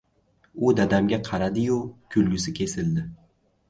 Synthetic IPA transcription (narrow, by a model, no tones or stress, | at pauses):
ʊd̪ad̪amɡʲaqʰɑɾad̪ɪjʊkʲʰʊlɡʲɪsɪkʲʰe̞sɪld̪ɪ